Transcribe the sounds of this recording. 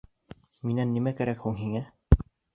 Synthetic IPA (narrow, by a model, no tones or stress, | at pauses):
minænːimækæɾækhuŋɦiŋæ